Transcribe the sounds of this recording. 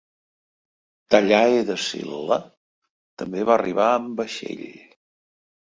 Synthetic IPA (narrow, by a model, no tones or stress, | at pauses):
t̪əʎaeðəsḭlːə | t̪əmbeβarʔiβaəmbəʃḛʎ